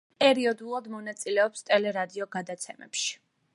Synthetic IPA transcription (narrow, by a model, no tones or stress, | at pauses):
pʼɛɾiɔd̪ulˠad̪mɔnat̪sʼilɛɔpst̪ʼɛlɛɾad̪iɔɡad̪at̪sʰɛmɛ̰pʃi̥